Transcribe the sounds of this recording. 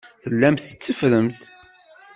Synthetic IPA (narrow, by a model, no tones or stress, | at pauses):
θəlːæmθə̥t͡sːəfɾəmθ